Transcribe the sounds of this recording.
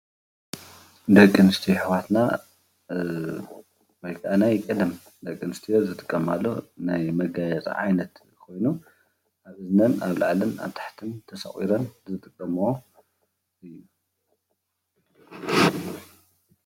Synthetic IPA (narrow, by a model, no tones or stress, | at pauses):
d̪ɐkʼːɨnɨst̪ʰiħɨwat̪na | wojkʰʔanajkʼɐd̪ɐm | d̪ɐkʼːɨnɨst̪ʰijozɨt̪ʼɨ̥kʼːɐmalːo̞̰najmɐɡajɛt͡sʼḭʕa̰jnɐt̪ | kʰo̞jnu | ʔaβɨznɐnaβlaʕlɨna̰βt̪ʰḁħt̪ʰɨnt̪ʰɐsɐ̰χʼḭɾɐnzɨt̪ʼɨkʼːɐmo | ɨjːu